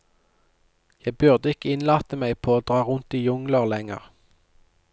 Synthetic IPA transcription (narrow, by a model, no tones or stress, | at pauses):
jæɪbʉʁd̪əɪkəɪnlɑːt̪əmæɪpʰoːoːd̪ʁɑːʁʊnt̪iːjʊŋləʁlɛŋə̰ʁ